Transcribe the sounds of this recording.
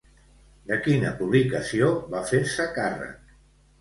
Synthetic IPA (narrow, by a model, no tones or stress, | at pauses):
d̪əkinə̰puβ̞likəsioβafeɾsəkarə̰k